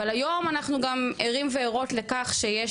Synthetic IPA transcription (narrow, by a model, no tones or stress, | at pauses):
alajo̞manaχnuɡameʁimveːʁo̞tle̞kaχʃeje